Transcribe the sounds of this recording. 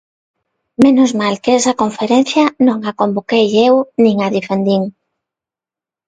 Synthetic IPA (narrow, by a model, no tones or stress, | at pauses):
menozmalkeɛsɐkoɱfeɾenθjɐnõŋakombokejewnĩŋaðifend̪iŋ